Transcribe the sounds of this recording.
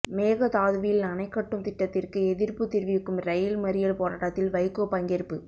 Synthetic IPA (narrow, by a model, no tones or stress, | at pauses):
meːɣɐt̪aːðɯʋɪjɪlɐnɐɪkːɐʈːɯmt̪ɪʈːɐt̪ːɪrkɯɛðɪrpɯt̪ɪɾʋɪkːɯmɾɐjɪlmɐɾɪjɐlpoːɾaːʈːɐt̪ːɪlʋɐɪkːopɐŋɡɛɾpːɯ